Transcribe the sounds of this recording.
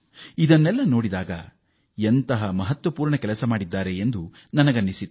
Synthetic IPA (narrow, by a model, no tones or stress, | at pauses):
id̪ɐnːɛlːɐno̞ːɽid̪aːɡɐ̰ | ent̪ɐɦɐmɐɦɐt̪ʋɐpuːɾɳɐkɛlɐsɐmaːɽid̪ːaːɾe̞end̪u | nɐnɐɡɐnːisit̪